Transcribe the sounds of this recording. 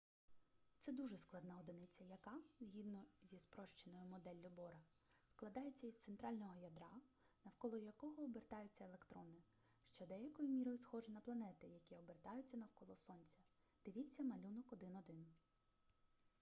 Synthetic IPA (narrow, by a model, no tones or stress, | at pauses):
t̪sɛd̪uʒɛsklˠɐd̪nɑɔd̪ɪnɪt͡sʲɐjɐkɑzʲɦʲid̪nɔzʲispɾɔʃt͡ʃenɔjʊmɔd̪ɛlʲːʊbɔɾɐ | sklˠɐd̪ɑjet͡sʲːɐizt̪sent̪ɾɑlʲnɔɦɔjɐd̪ɾɑ | nɐwkɔlˠɔjɐkɔɦɔːbert̪ɑjʊt͡sʲːɐelˠekt̪ɾɔnɪ | ʃt͡ʃɔd̪ɛjɐkɔjʊmʲiɾɔjʊsxɔʒɪnɐplˠɐnɛt̪ɪjɐkʲiɔbert̪ɑjʊt͡sʲːɐnɐwkɔlˠɔsɔnʲt͡sʲɐ̥ | d̪̥ɪʋʲit͡sʲːɐmɐlʲunɔkɔd̪ɪnɔd̪ɪn